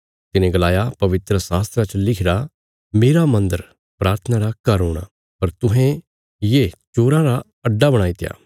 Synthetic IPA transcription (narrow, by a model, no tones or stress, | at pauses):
t̪ɪnẽɡəlaːjapɐʋɪt̪ɾəsaːst̪ɾat͡ʃlɪkʰɾa | meːɾamɐ̃nd̪əɾ | pɾaːɾt̪ʰənaɾakɐɾoːɽ̃a̰ː | pɐɾt̪ʊɦẽ | jeːt͡ʃoːɾãːɾa | ɐɖːabɐɽ̃aːiːt̪eja̰ː